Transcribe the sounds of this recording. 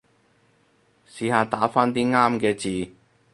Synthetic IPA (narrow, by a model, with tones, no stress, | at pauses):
siː˨˥haː˨˧t̪aː˨˥faː˥nt̪iː˥ŋaː˥mkɛː˧t͡siː˨